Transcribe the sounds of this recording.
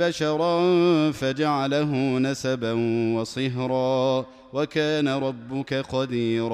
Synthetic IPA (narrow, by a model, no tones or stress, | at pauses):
aʃɑɾˤɑfad͡ʒaʕalaɦʊnasabanwɑsˤɨɦɾˤɑː | wakaːnaɾˤɑbːʊkaqɑd̪iːɾ